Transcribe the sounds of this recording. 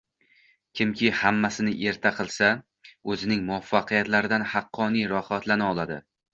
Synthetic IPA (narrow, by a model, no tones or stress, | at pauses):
kʲʰɪmkʲʰɪhamːasɪnɪʔe̞ɾt̪ʰaqʰɨlˠsa | ɵzɪnɪŋmʊafːɑqɨjat̪laɾɪd̪anhɑqʰːɒnijɾɒhat̪ʰlanɪɒlˠad̪ɪ